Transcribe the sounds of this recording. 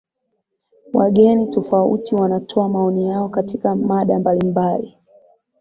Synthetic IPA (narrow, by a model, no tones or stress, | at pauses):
waɠɛnitɔfaṵtiwanatʰɔamaɔnijaɔkatikamaɗambalimbali